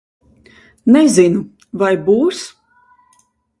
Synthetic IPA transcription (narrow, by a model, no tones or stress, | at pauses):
nɛzinu | vajbuːs